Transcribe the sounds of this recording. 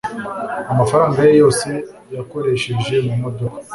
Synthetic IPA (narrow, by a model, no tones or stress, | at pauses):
amafaɾaːŋɡajejo̞ːse̞ | jako̞ɾe̞ʃe̞ʒe̞mumodo̞kḁ